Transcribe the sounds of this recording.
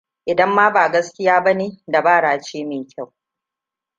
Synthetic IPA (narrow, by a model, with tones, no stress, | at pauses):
ʔɪ˨dɐ˦mːaː˦baː˨ɡɐ˦skʲɪ˦jaː˦bɐ˦neː˦da˨baː˦˨ɽaː˨t͡ʃeː˦meː˨kʲʰa˦˨w